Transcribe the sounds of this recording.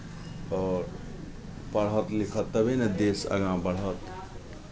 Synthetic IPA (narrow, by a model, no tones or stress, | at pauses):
ɔːɾ | pəɽ̤ɦət̪likʰət̪ːəbened̪esə̰ɡãbəɽ̤ɦət̪